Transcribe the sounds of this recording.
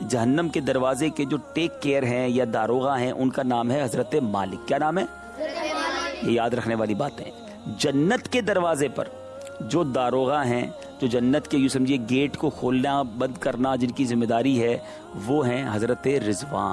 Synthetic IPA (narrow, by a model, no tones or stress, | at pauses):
d͡ʒɐɦənːəmked̪ɐɾʋaːzeked͡ʒoːʈeːkːeːəɾɦɛ̃jad̪aːɾoːɣãɦɛ̃ʔʊnkanaːmɦɛɦɐzɾət̪ema̰ːlɪkːjaːnaːmɦɛː | jejaːd̪ɾɐkʰneʋaːlibaːt̪ɦɛ̰̃ | d͡ʒɐnːət̪ked̪ɐɾʋaːzepɐ̰ɾ | d͡ʒoːd̪aːɾoːɣaɦɛ̃ | d͡ʒoːd͡ʒɐnːət̪kejus̬ɐ̃md͡ʒʱieɡeːʈkokʰoːlnabɐ̃nd̪kɐɾnad͡ʒɪnkizɪmːeːd̪aːɾiɦɛ | ʋoɦɛ̃ɦɐzɾət̪eɾɪzʋa̰ːn